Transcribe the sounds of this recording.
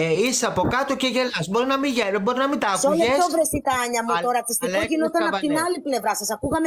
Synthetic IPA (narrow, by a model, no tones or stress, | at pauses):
eiseɐpo̞kɐt̪oceʝelɐsbo̞ɾinɐmiʝebo̞ɾinɐmit̪ɐːkuolʝesovɾest̪ikɐɐɲɐmut̪oɾɐt̪ist̪iloʝinot̪ɐnɐpɐt̪innɐliple̞vɾɐsɐsɐkuɣɐme